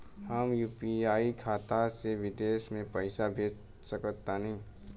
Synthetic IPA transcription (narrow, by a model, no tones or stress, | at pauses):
həmjuːpiaːikʰaːt̪aseʋɪdeːsmẽpəɪsabʱeːt͡ʃ | səkət̪ːanĩ